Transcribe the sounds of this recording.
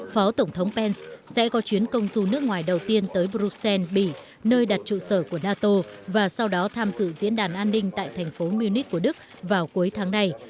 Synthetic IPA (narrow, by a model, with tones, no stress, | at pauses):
fɔ˨˦t̪ə˧˩wŋ͡mt̪ʰə˨˦wŋ͡mpɛ˧nssɛ̰˧˥kɔ˨˦t͡ɕwi˨˦ənkə˧wŋ͡mzu˨˧˩nɨ˦˥ək̚ŋwaː˨˩jɗə˨˩wt̪i˧ənt̪əː˨˦jɓɾu˦˧˥t̚sɛ˧nɓḭ˧˨ | nəː˧jɗa˨˩t̚t͡ɕṵ˧˨səː˧˩ku˧˩ənaː˧t̪o˧vaː˨˩sa˧wɗɔ˨˦t̪ʰaː˧mzɨ̰˧˨zḭ˧˥nɗaː˧˩nʔaː˧nːï˧ŋ̟t̪a̰ː˧˨jt̪ʰɛ˨˩ŋ̟fo˨˦mi˧wni˦˥k̚kːu˧˩əɗɨ˦˥k̚ | vaː˨˩wku˨˦əjt̪ʰaː˨˦ŋna˧j